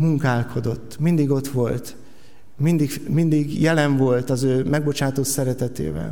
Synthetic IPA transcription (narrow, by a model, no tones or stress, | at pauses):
muŋkaːlkʰo̞d̪o̞t̪ːmind̪iɡo̞t̪ʋo̞lt̪ | mind̪ikmind̪iɡjɛlɛɱvo̞lt̪ɒzøːmɛɡbo̞t͡ʃaːt̪ot̪sɛɾɛt̪ɛt̪ḛːvɛ̰l